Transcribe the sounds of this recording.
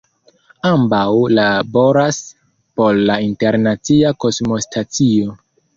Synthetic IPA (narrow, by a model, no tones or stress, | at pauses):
ambawlabo̞ɾas | po̞ɾlainte̞ɾnat͡siako̞smo̞stʰat͡sio̞